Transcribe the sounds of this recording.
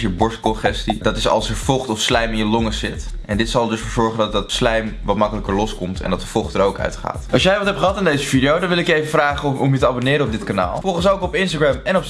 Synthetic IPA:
jəbɔɹstkɔχɛstidɑtɪsɑ̰lˠsəɹfɔχtɔfslɛjmɪnjəlɔŋəsɪtʔɛndɪtsɑlˠdɵsfoːɹzɔɹχəndɑtɑtslɛjmʋɑtmɑkələkəɹlɔskɔmtɛ̰ndɑt̚dəfɔχtəɹowkœ̰ɥtχa̰ːtɑlˠsjɛjʋɑtɦɛptχəɦɑtɪndejzəvidijowdɑnʋɪlɪkjejfəfraːχəɔmjətəaːbonɪːɾəɔb̚dɪtkana̰ːlˠfɔlˠχənsowkɔpɪnstaɡɹɛmɛnɔp

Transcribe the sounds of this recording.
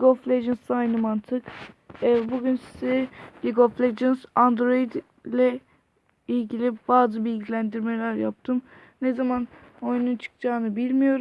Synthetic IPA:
lʲiɡoflʲed͡ʒɯnsajnɯmant̪ʰɯkː | buɟynsizɛlʲiɡoflʲed͡ʒɯnzand̪ɾo̞id̪ | lʲɛ | ilʲɟilʲibaːzɯbilʲɟilʲænd̪iɾmelʲæɾja̰p̚t̪ʰɯm | nezaman | ojununt͡ʃʰɯ̥kd͡ʒaːnɯbilʲmijo̞ɾum

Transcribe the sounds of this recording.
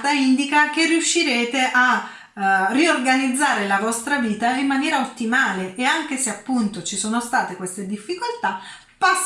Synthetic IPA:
t̪aind̪ikak̟erːiuʃːiɾeːt̪eʔa | rːiorɡanid̪zːaːɾelavɔst̪ɾaviːt̪aimːanjɛːɾaot̪ːimaːleʔeaŋk̟eseapːunt̪ot͡ʃisoːnost̪aːt̪ekwest̪ed̪ifːikolt̪a | pas

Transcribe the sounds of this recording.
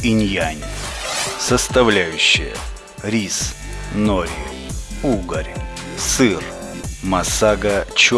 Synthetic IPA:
inʲjanʲɪsəst̪ɐvlʲæjʉɕːɪjə̰ | ɾʲis | noɾʲɪ | uɡəɾʲ | sɨr | mɐsaɡət͡ɕ

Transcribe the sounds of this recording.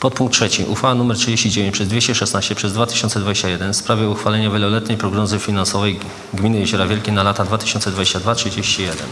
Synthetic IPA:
pɔt̪̚puŋktːʂɛt͡ɕiʔṵxfawanumɛɾtʂɘd͡ʑeɕt͡ɕid͡ʑevʲẽɲt͡ɕpʂɛzd̪vʲeɕt͡ɕɛʂɛst̪naɕt͡ɕɛpʂɛzd̪vat̪ɘ̥ɕɔnt̪sɛd̪vad͡ʑeɕt͡ɕajɛd̪ɛnfspɾavʲjɛuxfalɛɲavʲjɛlɔlɛt̪ɲɛjpɾɔɡnɔzɘfʲinansɔvɛj | ɡmʲinɘjɛʑɔɾavʲjɛlkʲejnalat̪ad̪vat̪ɘ̥ɕɔnt̪sɛd̪vad͡ʑeɕt͡ɕad̪vatʂɘd͡ʑeɕt͡ɕijɛd̪ɛ̰n

